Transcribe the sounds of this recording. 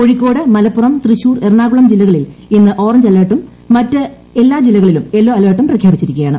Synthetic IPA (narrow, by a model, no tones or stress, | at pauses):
ko̞ɻikʲːo̞ːɽɨmɐlɐpːurɐmt̪riɕuːrerɳaːɣuɭɐmd͡ʑilːɐɣɐɭilinːɨʔo̞ːrɐɲd͡ʑɐlːeːʈːumː | ɐtːɨ | elːaːd͡ʑilːɐɣɐɭilume̞lːo̞ːɐleːʈːumprɐkʰjaːbit͡ɕːiɾikʲːɐjaːɳɨ